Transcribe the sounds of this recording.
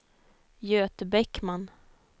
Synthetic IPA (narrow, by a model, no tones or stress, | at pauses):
jøːt̪əbɛkːman